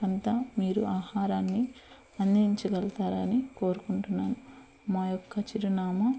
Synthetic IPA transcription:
ɐnt̪aːmiːɾuaːhaːɾaːnːi | ɐnd̪iɲt͡ʃuɡɐlt̪aːɾɐniko̞ːɾukuɳʈunːaːnu | maːjɔkːɐt͡ʃiɾɐnaːmɐ

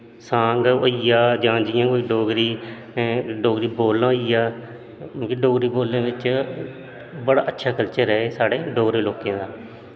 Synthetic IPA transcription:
sãːŋɡoiːjaːd͡ʒãːd͡ʒɪjãːkoːiːɖoːɡɾiː | ɖoːɡɾiːboːlãːijãː | kiɖoːɡɾiːboːlːãːd̪ɪt͡ʃ | bəɽa̰ːʔətːʃʰaːkəlt͡ʃəɾɛːesaːɽeːɖoːɡɾeːloːkjãːd̪aː

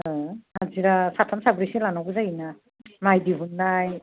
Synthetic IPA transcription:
aziɾasatʰamsabɾisilanawɡɯzajina | majdiɦunːaj

